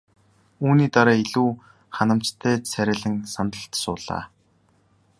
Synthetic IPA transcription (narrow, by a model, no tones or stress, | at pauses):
uːniːt̪aɾaːiɮuː | χanə̆m̥t͡ɕt̪ʰeːsʰæɾʲæ̆ːɮɘ̆ŋsant̪ə̆ɬt̪sʊːɮa̰ː